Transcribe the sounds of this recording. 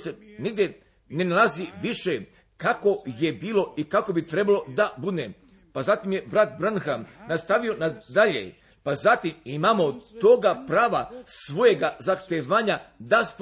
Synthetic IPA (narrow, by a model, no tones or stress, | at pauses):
seniɡd̪je | ne̞nalˠaziʋiʃe | kako̞je̞biːlo̞ikako̞bit̪ɾe̞balo̞d̪abud̪ne | pazat̪imjebɾat̪̚bɾanxanast̪aʋio̞nad̪aʎḛ | pazat̪imimaːmo̞t̪oɡapɾaːʋasʋo̞je̞ɡazaxt̪eʋaːɲad̪asp